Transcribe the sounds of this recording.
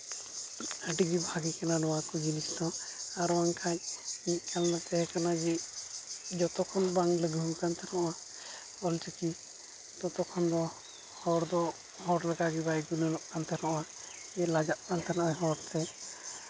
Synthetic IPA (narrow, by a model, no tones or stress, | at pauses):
əɖiɡibʱaɡikananɔwakɔɡinist̪ɔaɾɔwaŋkʰaɲmic̚kalnat̪ɛɦɛkanad͡ʒɛ | d͡ʒɔt̪ɔkʰɔnbaŋləɡukant̪ʰɛɾɔʔa | ɔlt͡ʃəki | t̪ɔt̪ɔkʰɔnd̪ɔ | hɔɾd̪ɔ | ɦɔɾləɡaɡibajɡunəlɔʔkant̪ʰɛɾɔʔa | ɛlad͡ʒaʔ̪̚kant̪ʰɛɾɔʔaɦɔɾt̪ʰɛ